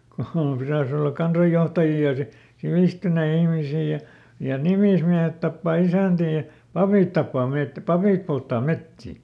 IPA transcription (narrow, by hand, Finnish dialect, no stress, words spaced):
ku ku piræĭs olːɑk̆ kɑnsɑjːohtɑjiː jɑ si siʋiˑstynei ihmisiː jɑ jɑ nimiˑsmiæhet tɑpːɑˑ isæˑntiː jɑ pɑpiˑt tɑpːɑː met pɑpiˑp poltːɑː metːiˑ